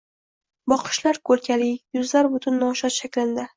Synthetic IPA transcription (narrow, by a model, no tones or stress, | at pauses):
bɒqʰɨ̥ʃlaɾkʰɵlkʲʰalɪjʊzlaɾbʊt̪ʰʊnːɒʃɒt̪ʃakʲlɪnd̪ɪ